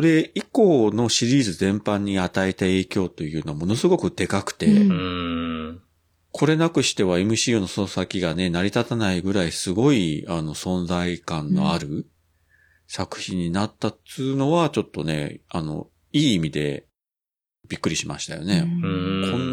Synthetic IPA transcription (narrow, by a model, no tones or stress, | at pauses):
oɾe̞iko̞ːno̞ɕiɾʲiːzɨzẽ̞mpãɲ̟ːiat̪aet̪ae̞ːkʲo̞ːt̪o̞jɯ̟ːnoamo̞no̞sɨɡo̞kɯ̟d̪e̞kakɯ̟̥t̪e̞ | kʰo̞ɾe̞nakɯ̟ɕi̥t̪e̞β̞ae̞mɯ̟ɕiːono̞sosakʲiɡane̞naɾʲit̪at̪anaiɡɯ̟ɾaisɨɡo̞iano̞sõ̞nd͡zaikãnːo̞̰aɾɯ̟ | sakɯ̟̥çĩɲ̟ːinat̪ːaɨːno̞βat͡ɕo̞t̪ːo̞ne̞̰ano̞̰ | iːimʲid̪e̞̰ | b̥ʲikːɯ̟ɾʲiɕima̰ɕi̥t̪a̰jo̰ne̞kʰõ̞nː